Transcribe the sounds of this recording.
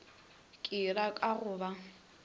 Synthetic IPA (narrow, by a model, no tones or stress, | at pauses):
kʼɪrakʼaɣʊːba